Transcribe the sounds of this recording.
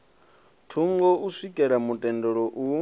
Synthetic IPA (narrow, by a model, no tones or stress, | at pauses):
tʰuŋɡɔʔusikʼɛɺamutʼɛndɔɺɔʔu